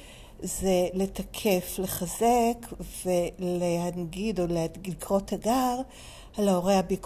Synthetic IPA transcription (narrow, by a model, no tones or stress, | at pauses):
zele̞takʰe̞fle̞χazekve̞lehanɡido̞lealikʁo̞thaɡaʁ | halaoʁejhabik